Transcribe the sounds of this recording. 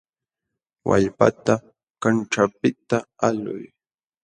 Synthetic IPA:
wa̰ʎpa̰t̪a | kanʈ͡ʂapɪt̪aalʊ̰j

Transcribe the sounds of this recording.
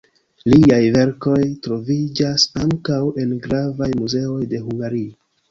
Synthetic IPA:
liajve̞ɾko̞jtɾo̞vid͡ʒasaŋkawe̞nɡɾavajmuze̞o̞jde̞ɦuŋɡaɾio

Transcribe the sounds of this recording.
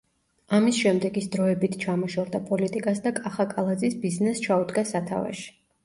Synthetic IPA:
amisʃɛmd̪ɛɡisd̪ɾɔɛbit̪ʰt͡ʃʰamɔʃɔɾd̪apʼɔlit̪ʼikʼasd̪akʼaχakʼalˠad̪zisbiznɛst͡ʃʰaud̪ɡasat̪ʰa̰va̰ʃi̥

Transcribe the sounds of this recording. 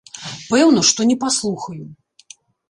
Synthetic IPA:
pɛwnɔʂt̪ɔnʲɛpaslˠuxɐju

